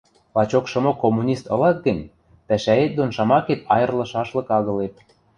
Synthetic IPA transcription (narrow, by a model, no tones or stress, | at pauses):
lɑt͡ɕokʃɤ̆mokomːunʲist̪ɤ̆lɑk̪̚ɡə̆nʲ | pæʃæet̪̚d̪onʃɑmɑket̪ɑjɤ̆rlɤ̆ʃɑʃlɤ̆kɑɣɤ̆let̪̚